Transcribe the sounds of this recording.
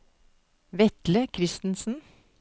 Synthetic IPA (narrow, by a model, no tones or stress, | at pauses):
ʋɛt̪ləkʰɾɪst̪n̩sn̩